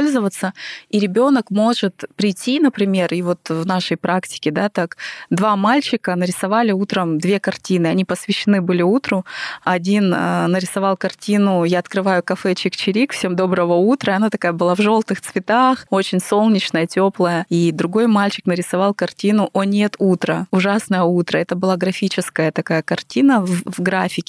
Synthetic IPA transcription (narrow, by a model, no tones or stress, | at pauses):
polʲzəvət̪sːəiɾʲɪbʲo̞nəkmo̞ʐɨt̪pɾʲɪjtʲːinəpɾʲɪmʲe̞rivo̞t̪vnaʂəjpɾaktʲɪ̥kʲɪd̪at̪akd̪vamalʲt͡ɕɪkənəɾʲɪsɐvalʲɪut̪ɾəmd̪vʲe̞kɐrtʲinɨɐnʲipəsvʲɪɕːɪnɨbɨlʲɪut̪ɾʊɐdʲinənəɾʲɪsɐvɑlˠkɐrtʲinʊjaɐt̪kɾɨvajʊkɐfɛt͡ɕɪkt͡ɕɪɾʲikfsʲe̞md̪o̞bɾəvəut̪ɾəɐnat̪ɐkajəbɨlˠavʐo̞lˠt̪ɨxt̪svʲɪt̪axo̞t͡ɕɪnʲso̞lˠnʲɪt͡ɕnəjətʲoplˠəjəid̪ɾʊɡo̞jmalʲt͡ɕɪ̥knəɾʲɪsɐvɑlˠkɐrtʲinʊʔonʲe̞t̪ut̪ɾəʊʐasnəjəut̪ɾəɛt̪əbɨlˠaɡɾɐfʲit͡ɕɪskəjət̪ɐkajəkɐrtʲinəvvɡɾafʲɪkʲɪ